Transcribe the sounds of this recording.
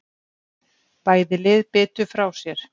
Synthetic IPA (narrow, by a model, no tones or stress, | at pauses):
paːjðɪlɪðpɪːt̪ʏfɾawsjɛɾ̥